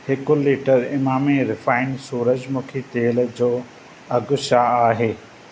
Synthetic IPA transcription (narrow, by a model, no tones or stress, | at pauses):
hɪkʊliːʈəɾɪmaːmeɾɪfaːɪnsuːɾəd͡ʑmũːkʰit̪eːld͡ʑoː | ɐɡʊʃaːaːɦeː